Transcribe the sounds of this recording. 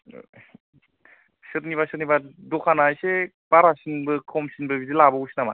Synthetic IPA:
sɯɾniβasɯɾ̚nibadɔkʰanajse | baɾasinbɯkʰɔmsinbɯbizilabɯusinama

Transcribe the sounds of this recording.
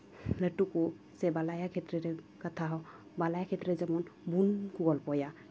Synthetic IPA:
lətuku | sɛbalajakʰɛtɾɛɾɛ | kat̪ʰaɦɔ | balajakʰɛtɾɛzɛmɔnbunkuɡɔlpɔja

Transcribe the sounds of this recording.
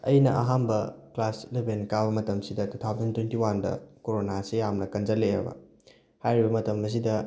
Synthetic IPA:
ɐjnɐʔa̰ɦambɐklaslebenkabɐmɐtɐmsidɐtutʰawzɐntwentiwandɐ̰koɾonasijamnɐkɐnd͡ʒɐlejɐ̰bɐ̰ | hajɾibɐmɐtɐmɐs̬idɐ

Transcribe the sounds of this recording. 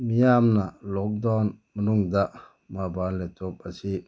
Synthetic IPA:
mijamnalɔk̚danmənuŋdaʔ | mabanletop̚asi

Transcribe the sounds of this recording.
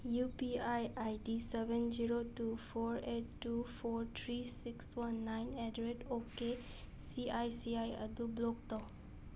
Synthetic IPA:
jupiajajdisɛbɛnd͡ʒiɾotupʰɔɾeʈːupʰɔɾt̪ʰɾisikswanːajnedɾeʈoke | siajsiajə̰d̪ublɔk̚t̪ɔw

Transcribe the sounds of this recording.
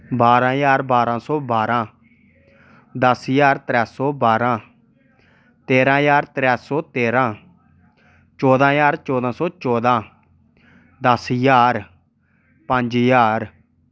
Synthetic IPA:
baːɾãːjaːɾbaːɾãːsɔːbaːɾãː | d̪əsjaːɾt̪ɾɛːsɔːbaːɾãː | t̪eːɾãːjaːɾt̪ɾɛːsɔːt̪eːɾãː | t͡ʃɔːd̪ãːjaːɾt͡ʃɔːd̪ãːsɔːt͡ʃɔːd̪ãː | d̪əsjaːɾ | pə̃nd͡ʒjaːɾ

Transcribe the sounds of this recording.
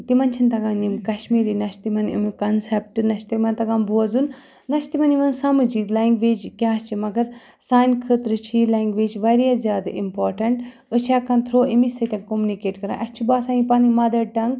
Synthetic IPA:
t̪imɐnt͡ʃʰint̪ɐɡãːnimkɐʃmiːɾinɐʃt̪imɐnḭmikɐnsep̚ʈɨnɐʃt̪imɐnt̪ɐɡãːnbuɐzun | nɐʃt̪imɐniʋɐnsaːmɐd͡ʒiklaːŋɡʋeːd͡ʒkʲaːt͡ʃʰimɐɡɐɾ | saːjnkʰət̪ɾɨt͡ʃʰilaːŋɡʋeːd͡ʒʋɐɾjazjaːd̪aʔimpoːɾʈɐɳʈ | ət͡ʃʰaːkɐnt̪ʰɾoːimisɐt̪ʲɐ̃ŋkomunikeːʈkɐɾã̰ːʔɐt͡ʃʰibaːsãːnipaːnimɐd̪ɐɖɐŋɡ

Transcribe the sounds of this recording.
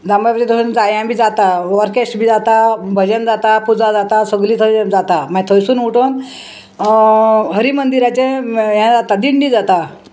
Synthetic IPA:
d͡zambajpt͡ɕed̪ound͡zajjãbʱiːd͡zat̪aʋəɾkesʈbʱiːd͡zat̪abʱəd͡ʑənd͡zat̪apud͡zad͡zat̪asəɡliːt̪ʰəd͡zat̪amãt̪ʰəjsuːnuʈon | ɦəɾiːmənd̪iɾat͡ɕẽjãd͡zat̪ad̪iɳɖid͡zat̪a

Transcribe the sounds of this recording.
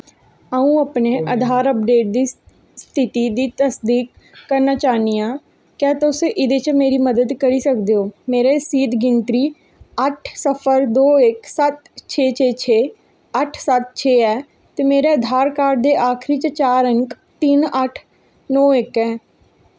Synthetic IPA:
əũːəpneːʔəd̪ʱaːɾəp̚ɖeːʈ̚d̪iː | st̪ʰɪt̪iːd̪iːt̪əsd̪iːkː | əɾnaːt͡ʃaːniːaː | kaːt̪əʊseʔɪd̪eːt͡ʃmeːɾiːməd̪əd̪kəɾiːsəkd̪eːoːmeːɾeːsiːd̪ɡɪnt̪ɾiː | əʈʰsəpʰəɾd̪oːɪksət̪t͡ʃʰeːt͡ʃʰeːt͡ʃʰeː | əʈʰsət̪̚t͡ʃʰeːɛː | t̪eːmeːɾeːəd̪ʱaːɾkaːɾɖd̪eːʔaːkʰɾiːt͡ʃt͡ʃaːɾəŋk | t̪ɪnəʈʰ | nɔːɪkɛː

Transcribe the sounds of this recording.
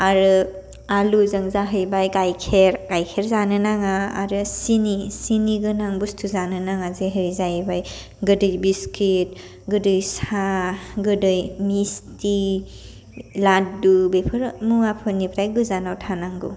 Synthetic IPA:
aɾɯ | aluzaŋzaɦɯjbajɡajkʰeɾkajkʰeɾzanɯnaŋaa̰ɾɯsinisiniɡɯnaŋbustʰuzanɯnaŋazeɦɯɾizajbaj | ɡɯdɯjbiskit̚ | ɡɯdɯjsaɡɯdɯjmisti | latdubepʰɯɾmuapʰɯnipʰɾajɡɯzanawtʰanaŋɡṵ

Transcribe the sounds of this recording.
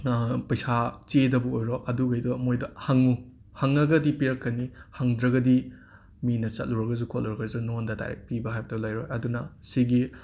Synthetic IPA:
pɐjsat͡ʃedɐbuojɾoʔɐduɡɐjdɔmojdɐhɐŋu | hɐŋːɐɡɐdipeɾkːɐnihɐŋdɾɐɡɐdi | minɐt͡ʃɐ̰t̚luɾɐɡɐzukʰotluɾɐɡɐzunondɐda̰jɾḛk̚pibɐɦajbɐdɐlajɾojɐdunɐsiɡi

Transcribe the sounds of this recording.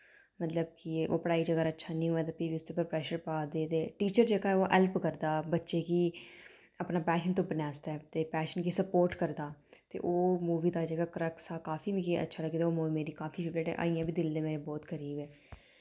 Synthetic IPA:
mət̪ləbkɪo̰ːpəɽaːiːd͡ʒəɡaːɾətːʃʰaːnĩːuaːt̪aːpiːʋiːʊst̪eːpəɾpɾɛːʃəɾpaːd̪eːt̪eːʈiːt͡ʃəɾd͡ʒeːɡaːɛoːʔɛlpkəɾd̪aːbətːʃeːkiː | əpnaːpɛːʃənt̪̬õːbənjaːst̪aɛːt̪eːpɛːʃənkiːsəpoːɾʈkəɾd̪aːt̪ḛːʔoːmuːʋiːd̪aːd͡ʒeːɡaːkəɾəksaːkaːfʰiːbikiə̰tːʃʰaːləɡd̪aːoːmuːʋimeːɾiːkaːfiːʃɪkeːʈɛ̰ːʔa̰ːijãːbiːd̪ɪld̪eːmeːɾeːbɔːt̪kʰəɾiːbɛː

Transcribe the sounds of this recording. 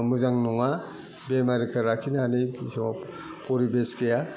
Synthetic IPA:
muzaŋnɔŋa | bemaɾikʰaɾakʰinaanejisɔma | pɔɾibeskeja

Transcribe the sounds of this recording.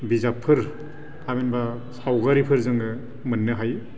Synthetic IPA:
bizapʰːɯɾ | tʰabenba | sawɡaɾipʰɯɾzɯŋɡɯ | mɯnːɯɦaj

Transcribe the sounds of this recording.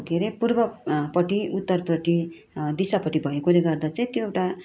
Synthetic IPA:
kʰeɾepurbʌpʌʈiut̪ːʌrprʌʈi | d̪isapʌʈibʱʌjokuɾeɡʌrd̪at͡sʌĩt̪joewʈa

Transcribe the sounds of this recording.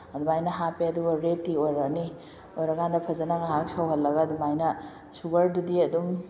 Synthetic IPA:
ɐdumajnɐɦapeɐduɡaɾetːiojɾakni | ojɾakandɐpʰɐzɐnaŋaɦak̚sawɦɐlːɐɡadumajnɐ | suɡɐɾdudiɐdum

